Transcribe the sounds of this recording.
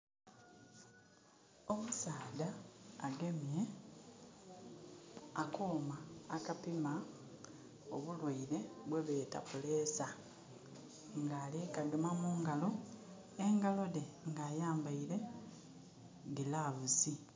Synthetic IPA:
omusaːdaːɡe̞mje | akoːmaːkapima | oβulwaiɾe̞βweβeːta̰puleːsa | ŋɡaːlikaɡemamuːŋɡalo̞ | eŋɡalo̞deŋɡaːjaːmbaiɾe̞ | ɡilaβusi

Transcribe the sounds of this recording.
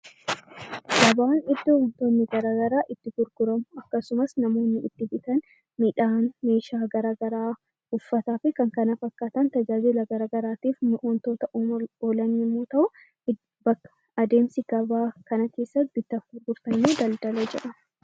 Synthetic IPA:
ɡ̥ɐbaːnɪd̪ːont̪oːnːɪɡɐɾaːɡɐɾaːʔɪt̪ːɪɡʊɾɡʊɾɐmʊɐkːɐsʊmɐsnɐmo̞ːnːɪɪt̪ːɪbɪt̪ɐn | miᶑaːnme̞ːʃaːɡɐɾaːɡɐɾaː | ʊfːɐt̪aːfɪkɐŋkɐnɐfɐkːaːt̪ɐnt̪ɐd͡ʒaːd͡ʒɪlɐɡɐɾaːɡɐɾaːt̪iːfmʔont̪o̞ːt̪ɐoːlɐnːɪmːoːt̪ɐʔʊ | bɐkːɐ̥ | ʔɐd̪e̞ːmsɪɡɐbaːkɐnɐke̞ːsːɐt̪̚bɪt̪ːɐfɡʊɾɡʊɾt̪ɐnːuːd̪ɐld̪ɐlɐd͡ʒɛʔɐ

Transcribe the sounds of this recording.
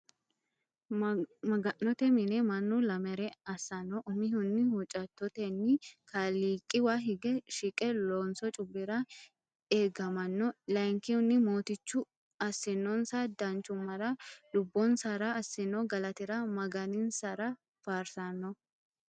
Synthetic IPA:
mɐɡɐnːɔt̪ɛmɪnɛmɐnːʊlɐmɛɾɛɐsːɐnːɔʔʊmɪɦʊnːɪhʊt͡ʃʼɐt̪ːɔt̪ɛnːɪkaliːkʼːɪwaɦɪɡɛʃɪkʼɛloːnsɔt͡ʃʼʊbːɪɾɐ | eːɡɐmɐnːɔlɐjŋkɪhʊnːɪmoːt̪ɪt͡ʃːʊ | ɐsːɪnːɔnsad̪ɐnt͡ʃːʊmːɐɾɐlʊbːɔnsɐɾɐːsːɪnːɔɡɐlɐt̪ɪɾɐmɐɡɐnɪnsɐɾɐ | faːɾsɐnːɔ

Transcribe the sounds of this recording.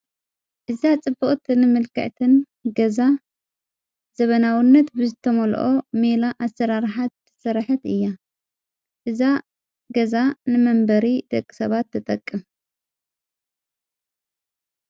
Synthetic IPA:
ʔɨzat͡sʼɨbːɨχʼt̪ʰɨnɨmɨlkʰɐ̰ʕt̪ʰɨn | ɡɐza | z̥ɐβɐnawinːɐt̪bɨzɨt̪ʰɐmɐlʔomelaʔasːɐɾaɾħat̪ | sɨɾħɨt̪ɨjːa | ʔɨza | ɡɐzanɨmɐmbɐɾid̪ɐkʼːi̥sɐβat̪ʰːɨt̪ʼɐkʼːɨm

